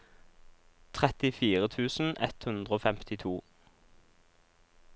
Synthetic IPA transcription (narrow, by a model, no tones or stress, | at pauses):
t̪ʰʁɛt̪ɪfiːʁət̪ʰʉːsn̩ʔɛ̰t̪hʉnd̪ʁəoːfɛmt̪ɪt̪ʰuː